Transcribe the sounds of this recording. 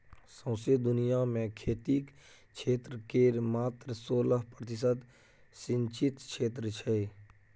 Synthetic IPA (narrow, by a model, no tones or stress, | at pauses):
sə̃ʊsed̪ʊnijamẽkʰeːt̪iːk | t͡ʃʰeːt̪ɾəkeːɾmaːt̪ɾəsoːləɦpɾət̪ɪsəd̪ | sɪ̃nt͡ʃɪt̪kʰʃʰeːt̪̬ɾət͡ʃʰe